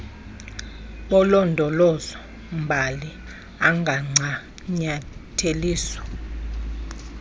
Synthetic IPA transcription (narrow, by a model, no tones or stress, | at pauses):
ɓɔlɔndʱɔlɔzɔ | mbʱali | aŋɡʱaŋ͡ǀʱa | ɲatʰeliːsɔ̥